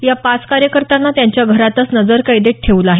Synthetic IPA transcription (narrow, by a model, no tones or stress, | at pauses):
japat͡skaɾjəkəɾt̪anːat̪jaɲt͡ɕjaɡʱəɾat̪ət͡snəd͡zəɾkaid̪eʈʰeʋlaɦe